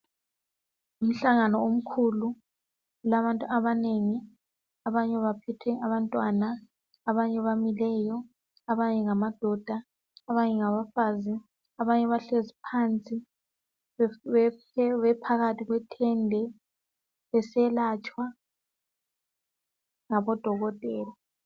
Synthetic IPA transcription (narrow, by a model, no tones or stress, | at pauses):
um̩ɬaŋanɔom̩kʰulu | laβantʼuaβaneŋi | aβaɲɛβapʰɛtʰɛʔaβantʼwanaː | βaɲɛβamilɛjɔ | aβaɲɛŋamad̥ʱɔd̥ʱa | aβaɲɛŋaβafaːziː | βaɲɛβaɬezipʰant͡sʼi | ɛ | ɛβɛpʰaɣatʰiɣwɛtʰɛndʱɛ | βɛsɛlat͡ʃʼwa | ŋaβɔd̥ʱɔɣɔtʼɛːla